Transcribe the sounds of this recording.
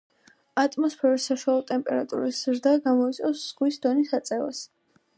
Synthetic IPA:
at̪ʼmɔspʰɛɾisːaʃwalˠɔt̪ʼɛmpʼɛɾat̪ʼṵɾiszɾd̪aɡamɔit̪sʼɔsz̥ʁwisd̪ɔnisat̪sʼɛva̰s

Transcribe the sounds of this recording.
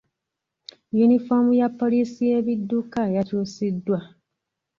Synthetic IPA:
junifomujapːo̞lisije̞βidːukaejatusidːwa

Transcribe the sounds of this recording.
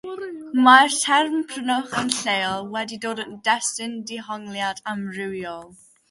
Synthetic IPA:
martʰɛrmpʰrənɔχənɬejlˠwɛdidoːdəndɛstɪndɪɦɔŋlˠjadamrɪwjɔlˠ

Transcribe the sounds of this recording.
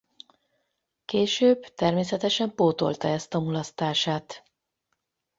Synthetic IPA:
keːʃøːbt̪ɛrmeːs̬ɛt̪ɛʃɛmpoːt̪o̞̰lt̪ɒɛst̪ɒmulɒst̪aːʃaːt̪

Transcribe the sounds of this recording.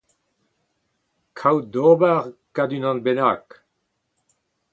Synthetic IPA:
kʰawd̪obaʁkad̪ynɑ̃nbenak

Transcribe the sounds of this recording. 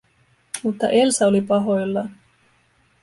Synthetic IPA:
mut̪ːɑ̰ʔe̞lsæolipɑɦo̞jlːɑ

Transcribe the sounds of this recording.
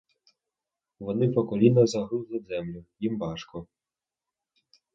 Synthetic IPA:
ʋɔnɪpɔkɔlʲinɐzɐɦɾuzlˠɪzɛmlʲʊjimbɑʃkɔ

